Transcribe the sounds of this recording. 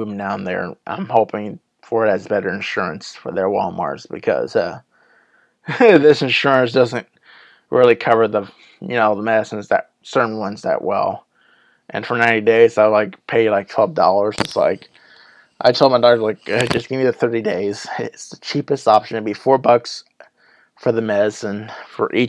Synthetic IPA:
dãʊ̃nðə̰˞ʔã̰ɪ̃mhoʊpɪ̃ŋ | fə˞ɨɾɨzbɛɾə˞ɨ̃nʃʊɹɨ̰̃nsfə˞ðə˞wɔ̰lˠmɑ̰ɹz̥b̥ɨkʰʌ̰z̥ʌ̰ | ðɪsɨ̃nʃʊɹɨ̃ns̬d̥ʌzɨ̃nt̚ | ɹʔɪlˠikʰʌvə˞ðə | jɨnoʊðəmɛɾɨsɨ̃nzðə̰t̚sɜ˞ʔn̩wʌ̃nzðə̰ʔwɛ̰lˠ | ʔɨ̃nfə˞nãɪ̃nideɪzaɪlaɪkpʰeɪɨlaɪk̚tʰw̥ɛlˠvdɔ̰lˠə˞z̥ɨtsla̰ɪk | ʔa̰ɪtʰɛlˠmaɪdɑə˞laɪkʌd͡ʒʌsɡ̥ɪmiðɨθɜ˞ɾideɪz̥ɪtsðɨt͡ʃʰipɨstɑpʃɨ̃n̩tʰɨbifɔɹbʌks | fə˞ðɨmɛɾɨsɨ̃nfə̰˞ʔi

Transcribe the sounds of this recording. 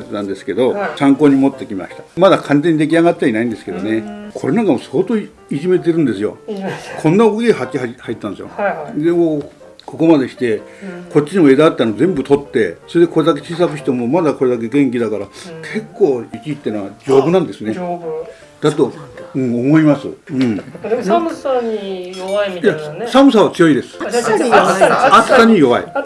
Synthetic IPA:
t̪et̪ãnd̪esɨ̥ke̞d̪o̞kãŋko̞ːɲ̟imo̞t̪ːe̞kʲimema̰ɕi̥t̪ḁmad̪akʰãnze̞ɲ̟ːid̪ek̬ʲiaɡat̚t͡ɕːainaĩnd̪e̞sɨ̥ke̞d̪one̞kʰo̞ɾe̞nãŋkamo̞so̞ːt̪o̞ː | iʑime̞t̪̬e̞ɾɯ̟̃nd̪e̞sɨjo̞̰kʰõ̞nːaokokɡɦakʲiɦahait̪ːand̪esɨjo̰d̪eo | kʰo̞ko̞mad̪e̞ɕi̥t̪e̞ | ko̞tt͡ɕːinioe̞d̪at̪ːanozẽ̞mbɯ̟t̪o̞t̪ːe̞so̞ɾe̞d̪e̞ko̞ɾe̞d̪ak̬e̞t͡ɕiːs̬akɯ̟ɕçi̥t̪o̞mo̞mad̪ako̞ɾe̞d̪ake̞ɡẽ̞ŋk̬ʲid̪akaɾakʰe̞kːo̞ːikʲiːt̪ːenoad͡ʑo̞ːbɯ̟nãnd̪e̞sɨne | d̪̥at̪o̞ɯ̟̃ɴomo̞imasɨ̰ɯ̟̃ɴ | jasamɯ̟s̬aβat͡sɨjo̞id̪e̞sɨ̥ | ask̪aɲ̟ijo̞βaḭ

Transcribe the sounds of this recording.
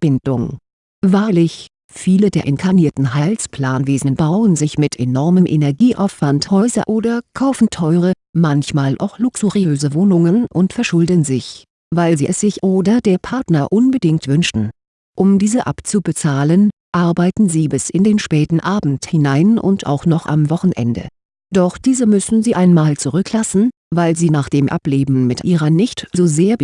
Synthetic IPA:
b̥ɪndʊŋ | vaːɐlɪç | fiːlədeːɐʔɛnkʰaniːɐtn̩ɦaɪlspl̥aːnveːznənbaʊənzɪçmɪtʰenɔɐməmʔḛnɛɐɡiːʔa̰ʊfv̥anthɔʏzɐ̰ʔoːdɐkʰaʊfn̩tʰɔʏʁə | mançmaːlʔa̰ʊxlʊksuʁiøːzəvoːnʊŋənʔʊntfɛɐʃʊldənzɪç | vaɪlziːʔɛsz̥ɪçʔoːdɐdeːɐpʰaɐtnɐʔʊnbədɪŋk̚tv̥ʏnʃtn̩ | ʔʊmdiːzəʔapt͡subət͡saːlənʔaɐbaɪtn̩ziːbɪsʔɪndeːnʃpɛːtn̩ʔaːbm̩thɪnaɪnʔʊ̰nta̰ʊxnɔχʔa̰mvɔχn̩ʔɛ̰ndə̰ | d̥ɔχd̥iːzəmʏsn̩ziːʔaɪnmaːlt͡suʁ̞ʏklasn̩vaɪlziːnaːχd̥eːmʔa̰pleːbm̩mɪtʔiːʁɐnɪçtz̥oːzeːɐ

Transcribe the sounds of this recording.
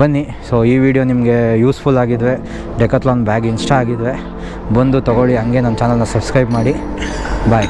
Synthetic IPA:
bɐnːi | soːiːʋiːɽijoːnimɐɡe̞juːspʰulaːɡid̪ʋe̞ | ɖekɐtlaːnbaːɡinsʈaaːɡid̪ʋe̞ | bɐnd̪ut̪ɐɡoɭiɦɐŋɡe̞nɐnt͡ʃaːnɐlnɐsɐbskɾɐjbmaːɽi | baːj

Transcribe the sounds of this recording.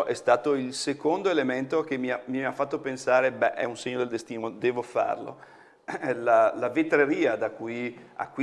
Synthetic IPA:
ʔɛst̪aːt̪oilsekond̪oelement̪ok̟emːiamiafːat̪ːopensaːɾebɛ̰ʔɛ̰unseɲːod̪eld̪est̪iːnod̪ɛːvofa̰rlo̰ | ɛlalavet̪ɾeɾiːad̪akuja̰kwi

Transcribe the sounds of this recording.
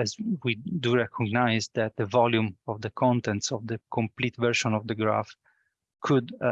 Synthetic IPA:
ɛzwid̪uɹɛkʰɔɡnajzd̪ɛt̪̚d̪əvɔljũmɔvd̪əkʰɔ̃nt̪ɛ̃nt̪sɔvd̪əkʰɔ̃mplit̪vɛɹʃɔ̃nɔvd̪əɡɹa̰f | kʰud̪

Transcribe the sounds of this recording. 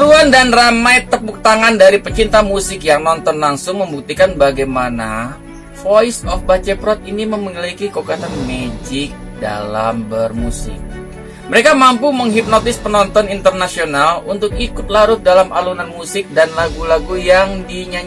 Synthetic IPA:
ɾuandanramajt̪ːəpuk̚t̪aŋandaɾipət͡ʃint̪amusɪkjaŋnɔnt̪ɔnlaŋsʊŋməmbuk̚t̪ikanbaɡajmana | foisɔfbat͡ʃɛpɾɔt̪̚iniməmŋəlikikokat̪anmed͡ʒɪk̚ | da̰la̰mbərmusɪ̰k̚ | məɾekamampuməŋɦip̚nɔt̪ɪspənɔnt̪ɔnint̪ərnasionalunt̪ʊk̚ikʊt̪̚laɾʊt̪̚dalamalunanmusɪk̚danlaɡulaɡujaŋdiɲa

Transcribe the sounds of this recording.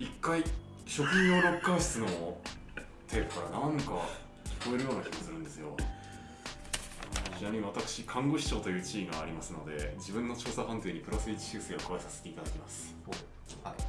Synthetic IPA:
ikːai | ɕo̞kɯ̟ɲĩoːɾo̞kːãɰ̃ɕi̥t͡sɨno̞ | t̪ʰe̞ːpɯ̟̥kaɾanãŋka | kʲi̥ko̞e̞ɾɯ̟jo̞ːnaçʲi̥t̪osɨɾɯ̟̃nd̪e̞sɨjo̞ | nɕiaɲ̟ĩβat̪akɯ̟̥ɕikʰãŋɡo̞ɕi̥t͡ɕo̞ːt̪o̞jɯ̟ːt͡ɕiːnĩaːɾʲimasɨno̞d̪e̞̰d͡ʑibɯ̟̃nːo̞t͡ɕo̞ːsaɦãnt̪eːɲ̟ipɯ̟ɾasɨiːt͡ɕi̥ɕɨːsɨɡakoaesaset̪e̞it̪ad̪akʲimasɨ̥ | ai

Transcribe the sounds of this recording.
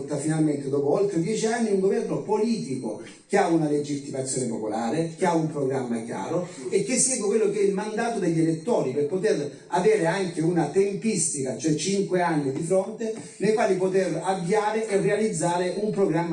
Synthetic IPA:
t̪ːafinalment̪ɪd̪ɔːpʊɔlt̪ːɾed̪jɛːt͡ʃianːiuŋɡovɛrnopoliːt̪iko̰ | k̟eaunaled͡ʒit̪ːimat̪sːjoːnepopolaːɾek̟eaumpɾoɡɾamːakja̰ːɾo | ek̟ːɪsːɛːɡokwelːok̟ɛilmand̪aːt̪od̪eʎːelet̪ːɔːɾiperpot̪er | avɛːɾeaŋkeunat̪empist̪ikat͡ʃoɛt͡ʃiŋkweanːid̪ifɾont̪e | nejkwaːlipot̪eravjaːɾɪʔɛrːealid̪zːaːɾeʔumpɾoɡɾamː

